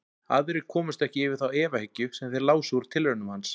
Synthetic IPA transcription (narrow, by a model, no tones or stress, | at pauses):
aðʏɾɪ̥kʰɔːmʏst̪ɛhcɪɪvɪðθawɛːvahɪcːʏsɛmθɪɾlaːwsuɾ̥t̪ʰɪlvœnʏmhans